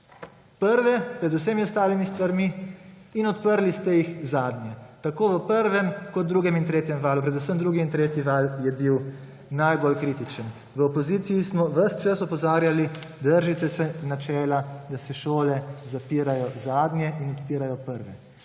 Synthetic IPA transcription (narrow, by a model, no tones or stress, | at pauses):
pəɾʋɛpɾɛd̪us̬emiɔst̪aːlimist̪ʋaɾmiː | nɔt̪pəɾlist̪ɛjixzaːd̪njɛt̪akoːʋəpəɾʋɛmkɔt̪̚d̪ɾuːɡɛmint̪ɾeːt̪jɛmʋaːlupɾɛd̪usəmd̪ɾuːɡiːnt̪ɾeːt̪jiʋaːljɛbiw | najbolkɾiːt̪it͡ʃən | ʋəopɔziːt̪sijismɔʋəst͡ʃəsɔpɔzaːɾjalid̪əɾʒit̪ɛsɛnat͡ʃɛːlad̪asɛʃoːlɛzapiːɾajɔzaːd̪njɛinɔt̪piːɾajɔpəɾʋɛ